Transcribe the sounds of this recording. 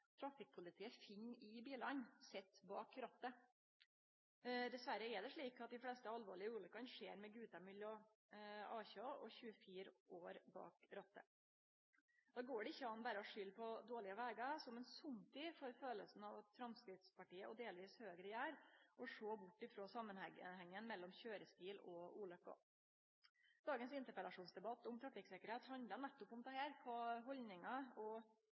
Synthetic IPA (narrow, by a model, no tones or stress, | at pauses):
t̪ʰɾɑfɪk̚pʰʊlɪt̪ʰiːəfɪŋːɪbiːlɑnsɛt̪ːbɑːkɾɑt̪ːə | d̪ɛsʋæɾəɛɖɛʂɭiːkɑt̪̚d̪ɪflɛst̪əɑlʋoːɭɪəʉːlʏkɑnʂeːɾmɛɡʉːt̪ɑmʏlːɔ | ɑːçɑʔɔçʉːəfiːɾʔoːɾbɑ̰ːkɾɑt̪ːə̰ | d̪̥ɑːɡoːɖɛɪçːəɑnbæːɾəɔʂʏlːpʰɔd̪oːɭɪəʋæːɡɑsɔmɛnsʊmt̪ʰiːfɔɾføːləlsn̩ɑʋɑt̪fɾɑmskɾɪt̪spɑʈiːəʔɔɖeːlʋiːshøːɡɾəjæːɾʔɔʂoːbʊʈːɪfɾoːsɑmːənɛhɛŋːənmɛlːɔmçøːɾəst̪iːlɔuːlɑfɡɑ̰ | d̪̥ɑːɡənsɪnt̪əɾpɛlɑʂuːnsd̪ɛbɑt̪ːɔmt̪ʰɾɑfɪksɛkəɾheːt̪hɑnd̪ənæt̪ːɔpɔmd̪ɛhæːɾkʰɑːɦɔlnɪŋɑɔ